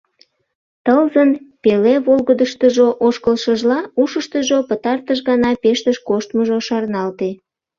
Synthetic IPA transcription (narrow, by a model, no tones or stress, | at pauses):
t̪əlzənpeleβolɣəd̪əʃt̪əʒoʔoʃkəlʃəʒlɑuʃəʃt̪əʒopət̪ɑrt̪əʃɣɑnɑpeʃt̪əʃkoʃt̪məʒoʃɑrnɑlt̪e